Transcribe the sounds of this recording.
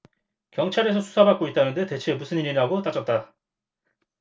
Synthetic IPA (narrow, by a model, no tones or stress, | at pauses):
kjʌŋt͡ɕʰaɾe̞s̬ʰʌsʰu̥sʰabak͈oit̚t͈anɯnde̞te̞t͡ɕʰe̞musʰɯniɾinaɡot͈at͡ɕ͈ʌt̚t͈a